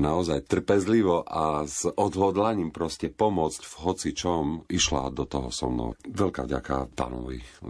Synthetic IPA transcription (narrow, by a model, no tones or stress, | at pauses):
naɔzajt̪r̩pɛzliʋɔʔazʔɔd̪ɦɔd̪laɲiːmpɾɔscɛpɔmʊɔt͡scvɦɔt͡sit͡ʃɔmiʃla̰d̪ɔt̪ɔɦɔsɔ̰nɔ̰ʋɛlka̰ːvɟa̰ka̰pa̰ːnɔ̰ʋḭ